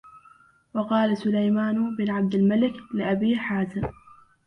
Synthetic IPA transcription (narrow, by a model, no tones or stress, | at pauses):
wɑqɑːlasʊlajmaːnʊbɪnʕab̚d̪almalɪklɪʔabiːħaːzɪm